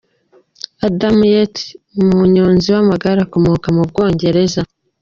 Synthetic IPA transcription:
adamujetmuɲoːnziwamaɡaɾako̞mokamub̚ɡo̞ːɲɟe̞ɾe̞za

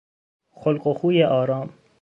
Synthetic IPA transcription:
xolqoxuːjeʔɒːɾɒːm

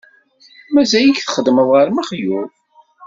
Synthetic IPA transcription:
mæzæjiçθə̥χəd̪məðˤʁaɾmæχju

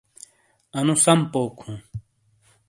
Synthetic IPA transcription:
ɐnũsɐmpoːkʰũː

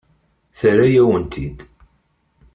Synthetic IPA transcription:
θəɾæjæwənt̪ʰid̪

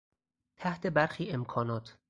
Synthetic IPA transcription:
t̪ʰæht̪ʰe̞bæɾxiːe̞mkʰɒːnɒːt̪ʰ

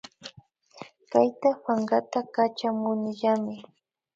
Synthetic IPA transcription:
kajt̪apaɴɢat̪akat͡ʃamʊnɪʎamɪ

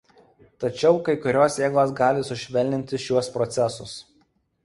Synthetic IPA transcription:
t̪ɐt͡ʃʲɛʊkɐɪkʊɾʲoːsjeːɡˠoːs̬ɡɑːlʲɪsʊʃʲʋʲɛlʲnʲɪnʲt̪ʲɪʃʲuɔspɾɔt̪sʲɛsʊs

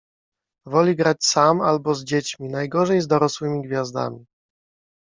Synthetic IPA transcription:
vɔlʲiɡɾat͡ɕsamalbɔzd͡ʑet͡ɕmʲinajɡɔʐɛjzd̪ɔɾɔswɘmʲiɡvʲjazd̪a̰mʲi

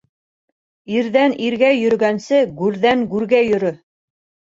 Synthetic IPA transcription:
iɾðæniɾɡæjɵ̆ɾ̆ɡænsɘɡʉɾðæŋɡʉɾɡæjɵ̆ɾɵ

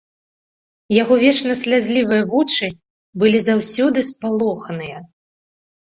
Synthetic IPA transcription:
jaɣɔvʲɛt͡ʂnɐsʲlʲad͡zʲlʲivɨjɐvut͡ʂɨ | bɨlʲizawsʲɔd̪ɨspalˠɔxɐnɨjɐ

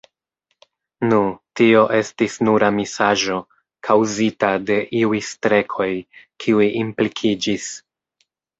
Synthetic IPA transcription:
nutio̞ʔe̞stisnuɾamisaʒo̞ | kʰawzitade̞ʔiujstɾe̞kʰo̞jkʰiujʔimplikʰid͡ʒis

